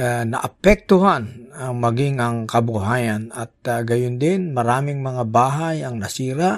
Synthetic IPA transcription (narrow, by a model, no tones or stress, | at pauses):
nɐ̰ʔɐpɛk̚t̪oɦanɐŋmɐɡɪŋɐŋkɐbʊɦaːjanɐt̪̚ɡɐjʊnd̪ɪnmɐɾaːmɪŋmɐŋabaːɦajɐŋnɐsiːɾa